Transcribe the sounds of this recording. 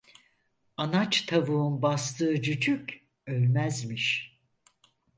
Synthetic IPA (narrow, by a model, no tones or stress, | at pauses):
anat͡ʃt̪ʰavuunbast̪ʰɯːd͡ʒyd͡ʒyk | ølʲmæzmiʃ